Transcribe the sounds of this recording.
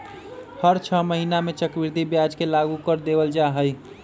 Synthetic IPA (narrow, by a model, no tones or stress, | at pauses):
həɾt͡ʃʰəməɦinamet͡ʃəkbiɾd̪ʱibjad͡ʒkelaɡukəɾd̪ebəld͡ʒaɦəj